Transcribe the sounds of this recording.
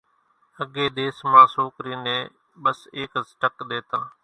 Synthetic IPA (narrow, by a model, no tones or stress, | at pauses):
əɡeːd̪eːsmãːsoːkɾiːnẽː | ɓəseːksʈəkɗ̪eːt̪ãː